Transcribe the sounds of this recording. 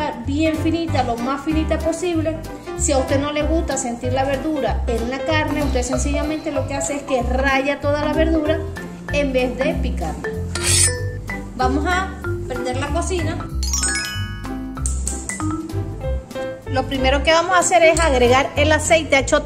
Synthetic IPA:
abje̞ɱfinit̪alomasfinit̪apo̞siβle̞ | siaust̪e̞no̞le̞ɣust̪ase̞nt̪iɾlaβe̞ɾðuɾae̞nnakaɾne̞ust̪e̞se̞nsiʝamẽ̞nt̪e̞lo̞ke̞ase̞eske̞raʝat̪o̞ðalaβe̞ɾðuɾa | embe̞zðe̞pikaɾ | bamo̞sapɾend̪e̞ɾlako̞sina | lo̞pɾime̞ɾo̞ke̞βamo̞saːse̞ɾe̞saɣɾe̞ɣaɾe̞lase̞jt̪e̞et͡ʃo

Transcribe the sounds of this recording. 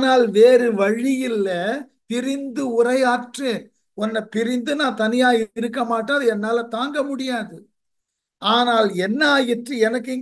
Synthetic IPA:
naːlʋeːɾɯʋɐɻɪjɪlːɐ | t̪ɪɾɪnd̪ɯʊrɐɪjaːʈrɯ | ɔnːɐpɪɾɪnd̪ɯnãːt̪ɐnɪjaːjɪɾɯkːɐmaːʈːaɐðɯɛnːaːlɐt̪aːŋɡɐmʊɽɪjaːðɯ | ʔaːnaːlɛnːaːjɪʈrɯɛnɐkːɪŋ

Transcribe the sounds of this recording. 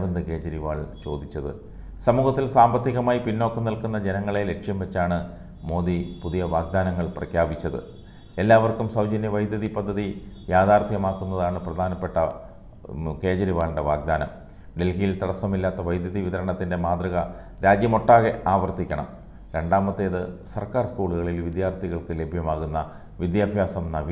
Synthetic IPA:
ʋɐnd̪ɨke̞ːd͡ʑɐɾiʋaːɭt͡ɕo̞ːd̪it͡ɕːɐðɨ̰ | sɐmuːɣɐt̪ːilsaːmbɐt̪ːiɣɐmaːjipinːo̞kːɐnilkunːɐd͡ʑenɐŋːɐɭe̞le̞kʂjɐmʋet͡ɕːaːɳɨ | mo̞ːd̪ipuðijɐʋaːɡ̚d̪aːnɐŋːɐɭprɐ̰kʰjaːbit͡ɕːɐðɨ̰ | e̞lːaːʋɐrkumsɐwd͡ʑɐnjɐʋɐjd̪jɐðipɐd̪ʱːɐði | jaːd̪aːrt̪ʰjɐmaːkːunːɐðaːɳɨprɐd̪ʱaːnɐpːe̞ʈːɐ | ke̞ːd͡ʑɐɾiʋaːlɳɖeʋaːɡ̚d̪aːnɐm | ɖe̞lkijilt̪ɐɽɐsɐmilːaːt̪ːɐʋɐjd̪jɐðiʋiðɐɾɐɳɐt̪ːinde̞maːd̪rɐɣɐ | ɾaːd͡ʑjɐmo̞ʈːaːɣe̞aːʋɐrt̪ikʲːɐɳɐ̰m | ɾe̞ɳɖaːmɐt̪ːeːðɨsɐrkaːrskuːɭuɣɐɭilʋid̪jaːrt̪ʰiɣɐɭkɨle̞bʱjɐmaːɣunːɐ | ʋid̪jaːbʱjaːsɐmnɐʋi

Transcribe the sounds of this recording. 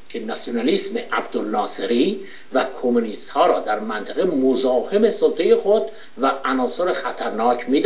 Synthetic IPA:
cʲʰenæsjonæliːsmeʔæbd̪olnɒːseɾi | vækʰomuniːst̪hɒːɾɒːd̪æɾmænt̪ʰæɣe̞mozɒːhe̞me̞sot̪ʰejexod̪ | væænɒːsoɾexæt̪ʰæɾnɒːcʰmiːd̪

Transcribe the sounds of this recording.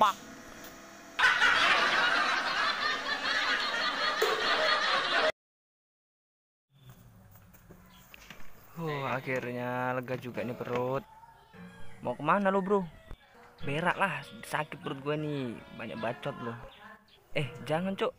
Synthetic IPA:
pak̚ | ohakirɲaləɡad͡ʒuɡanipəɾut̪̚ | mɔkəmanalobɾo | beɾa̰ʔlahsakɪpəɾʊt̪̚ɡuɛnibaɲa̰k̚bat͡ʃɔt̪̚lo | ɛhd͡ʒaŋant͡ʃo

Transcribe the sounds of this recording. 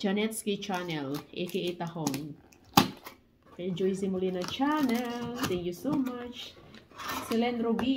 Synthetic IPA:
d͡ʒanɛt̪skit͡ʃanɛlḛkeet̪ahɔŋ | kad͡ʒɔizimulinat͡ʃanɛlt̪ɛ̃ŋkjusomat͡ʃ | silɛnɾoɡi

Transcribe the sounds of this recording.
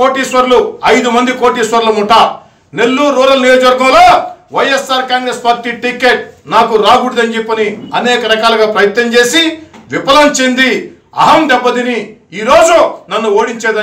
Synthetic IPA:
ko̞ːʈiːsʋɐɾluɐjd̪umɐnd̪ikoːʈiːsʋɐɾlɐmuʈːa | ne̞lːuːɾuːɾɐlnijoːd͡ʒɐʋɐɾɡɐmlo̞ːʋɐjesːaːɾkaːŋɡɾespaːɾʈiʈikeːʈ̚naːkuɾaːɡuɽid̪ɐnd͡ʒepːɐniɐnɛːkɐɾɐkaːlɐɡaːpɾɐjɐt̪nɐmt͡ʃeːsiʋipɐlɐnt͡ʃend̪i | ɐ̰ɦɐmd̪ɛbːɐd̪iniiːɾo̞ːd͡ʒunɐnːuoːɽiɲt͡ʃɛːd̪ɐ

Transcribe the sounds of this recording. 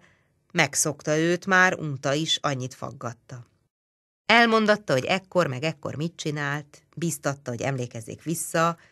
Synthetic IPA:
mɛkso̞kt̪ɒøːt̪maːɾuːt̪ɒiʃɒɲːit̪fɒ̰ɡːɒt̪ːɒ | ɛlmo̞n̪d̪ɒt̪ːɒɦo̞ɟɛkːo̞rmɛɡɛkːo̰rmit̪̚t͡ʃinaːlt̪ | biːst̪ɒt̪ːɒɦo̞ɟɛ̰mleːkɛzːḛːkʋisːɒ

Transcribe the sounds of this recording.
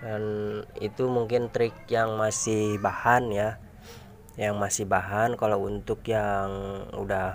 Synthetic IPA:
danit̪umuŋkɪnt̪ɾɪk̚jaŋmasɪhbahanja | jaŋmasɪhbaɦankalawunt̪ʊkjaŋṵda

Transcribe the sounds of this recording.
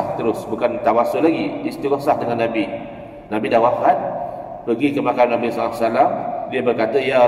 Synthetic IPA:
ht̪əɾʊsbukant̪awasolaɡiːst̪iwɔsahdəŋanːabi | nabidawafat̪̚ | pəɡikəmakanabisalasalamdiabərkat̪əija

